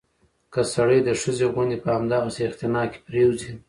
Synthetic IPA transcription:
kəsaɽəjd̪əʂəzeɣʊnd̪epəhamd̪ɑɣaseɪqt̪ɪnɑke̥pɾewzi

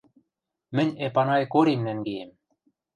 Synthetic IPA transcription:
mɘ̆nʲepɑnɑjkoɾemnæŋɡejem

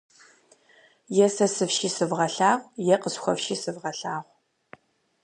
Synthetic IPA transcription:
jɛsɐsɨfʃiːsɨvʁɐɬaːʁʷjɛqəsxʷɔ̰fʃiːsɨvʁɐɬaːʁʷ

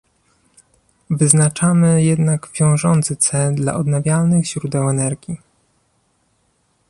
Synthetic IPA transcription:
vɘznat͡ʂamɘjɛd̪naɡvʲjɔ̃w̃ʐɔnt̪sɘt̪sɛd̪la̰ʔɔd̪navʲjalnɘɣʑɾud̪ɛwɛnɛɾɡʲi

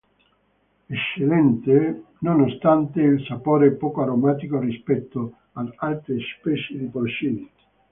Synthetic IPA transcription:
et͡ʃːelɛnt̪e | nonost̪ant̪eilsapoːɾeɛpɔːkoaɾomat̪ikorispɛt̪ːo | ad̪alt̪ɾespɛt͡ʃed̪ipɾot͡ʃint̪i̥

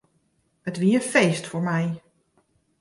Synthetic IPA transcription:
ətʋiːənfejstfoɹmɛj

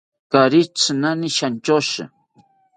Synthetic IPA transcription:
kaɾɪt͡snanɪʃant͡ʃoʃa̰

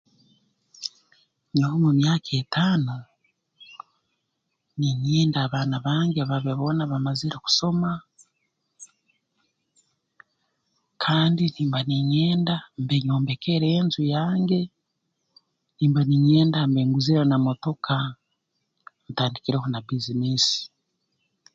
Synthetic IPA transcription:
ɲohomumjaːkʰe̞ːtʰaːno | niɲeːndaːβaːnaβaːŋɡeβaβeβo̞ːnaβamaziɾeku̥so̞ma | kʰaːndiniːmbaniɲeːndambeɲo̞ːmbe̞ke̞ɾeːnzujaːŋɡe̞ | niːmbaniɲe̞ːndambeːŋɡuziɾanamo̞to̞kʰa | nitaːndikiɾeɦonabiziniːsi̥

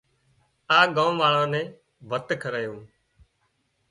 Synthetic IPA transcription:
aːɠãːmʋaːɭãːnɛ̃ː | ʋət̪kʰəɾəːjõː

